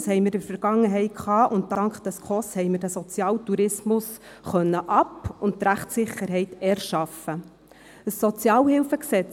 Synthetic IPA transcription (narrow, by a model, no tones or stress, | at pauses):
shɛɪmɪɾɪɾfəɾɡ̥ɑŋːəɦɛɪt̚kχɑːʔʊnttɑɑŋkχd̥ɛskʰɔshɛɪmɪrd̥æsɔt͡sjɑːltuɾɪsmʊs | χœnːəʔɑpʊnttːɾæχtsɪχːəɾɦɛɪtɛɾʃɑfə | əsːɔt͡sjɑːlhɪlfəksɛt͡s